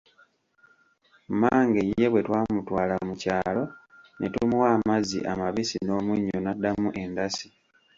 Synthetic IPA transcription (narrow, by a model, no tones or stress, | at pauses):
maːŋɡeje̞βwe̞twaːmutwaːlamucaːlo̞ | nʔetumuwaːmazḭʔa̰maβisino̞ːmuɲːonadamuʔe̞ndasi